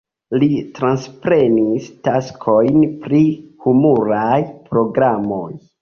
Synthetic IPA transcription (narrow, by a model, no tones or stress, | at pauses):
litɾanspɾe̞nistaskʰo̞jnpɾihumuɾajpɾo̞ɡɾamo̞j